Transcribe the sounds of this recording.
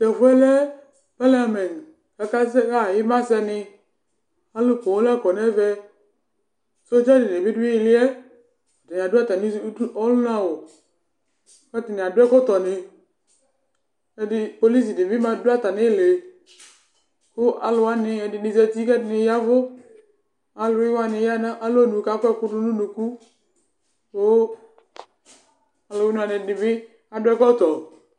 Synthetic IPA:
bɛ˨vʊ˦ɛ˦lɛ˦ | pɛ˦la˦˨mɛ˨n˨ | ka˧ka˦sɛ˦ka˦˨jɪ˦ma˦sɛ˧nɪ˧ | a˦lʊ˦˨ko˨˦la˦˨kɔ˨nɛ˦vɛ˧ | so˦d͡ʒɛ˦dɪ˨ne˨vi˦dʊ˦i˦˧lɪ˦ɛ˦ | a˨ti˨n˨a˨da˦˨ta˨nɪ˦ɔ˦lʊ˦na˧wo˨ | ka˦ti˨nɪ˨a˨dʊ˦ɛ˦kɔ˦tɔ˨nɪ˧ | ɛ˨dɪ˧po˧li˦s̬i˨dɪ˨vɪ˦ma˧dʊ˦a˦ta˨nɪ˦˨le˨ | kʊ˦ʔa̰˨lʊ˨wa˦nɪ˧ɛ˨dɪ˨dɪ˨zɛ˧ti˦kɛ˦tɪ˨nɪ˧ja˦vʊ˦ | a˨lʊ˨ɪ˦wa˦nɪ˨˧˦ja˦na˦ʔa˦lo˦nu˨ka˦kʷɛ˦kʊ˦dʊ˦nʊ˦nu˨ku˦ | kʊ˦ | a˨lʊ˨ɪ˦nʊ˦a˨nɪ˧˨dɪ˨vɪ˦ | a˨dʊ˦ɛ˦kɔ˦tɔ˨

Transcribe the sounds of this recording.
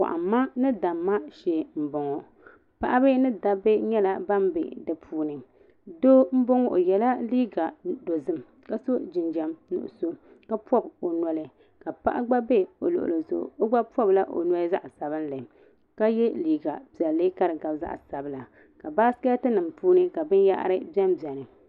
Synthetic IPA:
wa̰˨ʔa̰˨m˦mːa˦nɨ˦da˨mːa˦ʃɛ˦m̩˦bo˨ŋɔ˨ | pa˦ʔa˦bɨ˦nɨ˦da˦be˦ɲɛ˦la˨ba˦mbḛ˨dɨ˨pʰuː˦nɨ˨ | do˦m̩˦bo˦ŋɔ˦ʔo˨jɛ˨la˦liː˦ɡa˨do˨zɨ˦m | ka˦so˦d͡ʒɪ˨nd͡ʒa˨mnʊ̰˨ʔʊ̰˨so˦ | ka˦pɔ˦bo˨nɔ˨lɨ˨ | ka˨pa̰˦ʔa˦ɡ͡ba˦be˦o̰˨lʊ̰˨ʔʊ̰˨lo˨zʊ̰˨ʔo˦ɡ͡ba˦pɔ˦bla˦ʔo̰˨nɔ˦za̰˦ʔsa˨βɨ˦nlɨ˨ | ka˦jɛ˦liː˦ɡa˨pi˨ɛ˨lːɨ˦ka˦ɾɨ˨ɡa˨bza̰˦ʔsa˨bɨ˦la˨ | ka˨baː˦ska˦tɨ˦nɨ˨mpuː˦nɨ˦ka˨bɨ˦nja̰˦ʔa̰˦ɾɨ˦bi˦ɛ˦mbi˨ɛ˨nɨ˨

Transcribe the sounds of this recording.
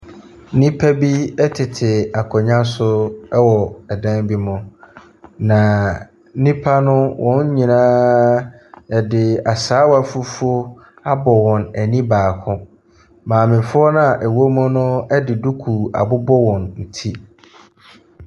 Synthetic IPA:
nĩ˦pʰæ˦bi˦ɛ˦tʰɪ˨tʰɪ˨a˨kʰɔ˨ɲã˦sʊ˦wɔ˨ɛ˨dã˦nbi˦mʊ̃˨ | nã˨ | nĩ˦pʰa˦nʊ̃˦wʔɔ̃˦n˦ɲĩ˨nãː˦ | ɛ˨dɪ˨a˨saː˨˦wa˨fu˦fu˦o˦ | a˦bɔ˨wɔ̃˨nɛ˨nĩ˦baː˨kʰʊ̃˦ | mãː˨mɪ̃˨fʊ˦ɔ˦nã˨ʔɛ˨wo˦mʊ̃˦nʊ̃˦ɛ˦dɪ˨du˦kʰu˨a̰˨bʊ˦bɔ˦wɔ̃˨nn̩˨tʰi˦

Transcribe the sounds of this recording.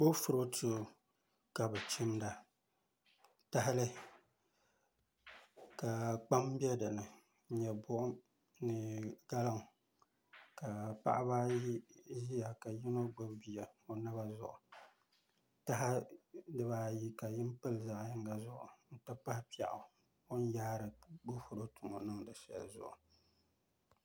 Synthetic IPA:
bo˦fʊ˨ɾo˦tʰu˦˨ | ka˨bɨ˨t͡ʃɪ˦mda˨ | ta˦ɦɪ˦lɨ˦ | ka˨k͡pa˦m˦bɛ˦dɨ˨lɨ˨˦ | ɲɛ˨bʊ˦ʔʊ˦ | nɨ˨ɡ̥a˦la˦ŋ˨ | ka˨pa̰˦ʔa˦ba˦ | ʒi˦ja˨ka˨jɪ˦no˦ɡ͡ba˦bbi˨ja˨o˨nɨ˦βa˦zʊ̰˨ʔʊ˨ | ta˦ɦa˦dɨ˦baː˦ji˦ka˨jɪ˦m˦pɨ˦lza˦ʔja˦ŋ˦ɡa˦zʊ˦ʔʊ̰˨n̩˦tɨ˦pa˦hpi˦ɛ̰˨ʔʊ˨ | o˦n˦ja˦ɾɨ˨ɡʊ˦hʊ˨ɾo˦tʊ˨mo̰˨nɨ˦ŋdɨ˨ʃa̰˨lzʊ̰˨ʔʊ˨

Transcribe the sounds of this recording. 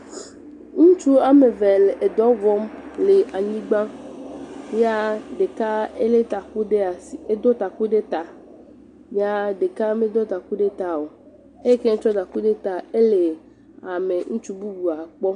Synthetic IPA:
ŋũ˦t͡ʃu˦a˨me˨vɛ˨le˨e˨d̪ɔ˨˦vɔ˦mle˨ʔa˨ɲĩ˦ɡ͡bã˦ | ja˦ɖe˨ka˦e˦le˦t̪a˨ku˦ɖe˦a˨si˨e˦d̪ɔ˦t̪a˨ku˦ɖe˦t̪a˨ | ja˦ɖe˨ka˦me˦d̪ɔ˦t̪a˨ku˦ɖe˦t̪a˨wo˨ | e˦ke˦ŋ˦t͡ʃɔ˦d̪a˨ku˦ɖe˦t̪a˨e˦le˨ | a˨me˨ŋũ˦t͡ʃu˦bu˦bu˨a˨k͡pɔ˦

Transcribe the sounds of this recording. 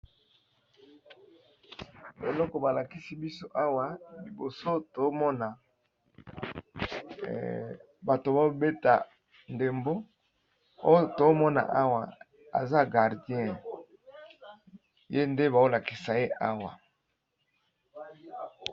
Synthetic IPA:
e˨lɔ˦kɔ˨ba˨la˨ki˦si˦bi˦so˦ʔa˦wa˨li˨bo˨so˦to˨˦mɔ˦na˨ | ba˨to˨ba˦be˦ta̰˨ | nde˨mbo˦ | o˦jo˦to˨˦mɔ˦na̰˨ʔa˦wa˨ | a̰˨za˦ɡa˨ʁdjɛ̃˦ | je˦nde˦ba˨o˦la˨ki̥˨sa˨je˦ʔa˦wa̰˨

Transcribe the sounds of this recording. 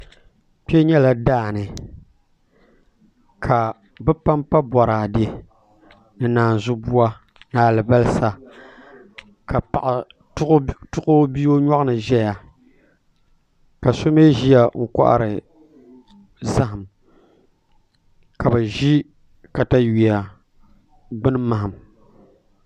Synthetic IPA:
pi˦ɛ˦ɲɛ˦la˦daː˦˨nɨ˨ | kʰa˨ | bɨ˦pa˦mpa˦bɔ˨ɾaː˨de˦ | nɨ˨naː˨n˨zʊ˦bu˦wa˦ | naː˨lɨ˨ba˦lɨ˦sa˦ | ka˨pa˨ʔ | tʊ˦kʊ˦bi˦o˦ɲa˦ʔɨ˦nɨ˨ʒɛ˦ja˨ | ka˨so˦me˦ʒi˦a˨ŋ̩˨kʷa̰˦ʔa̰˦˨ɾɨ˨ | za˦ɦɨ˨m | ka˨bɨ˨ʒi˦ | ka˨ta˦ɥi˨a˨ | ɡ͡bɨ˦nɨ˦ma˨ɦa˨m

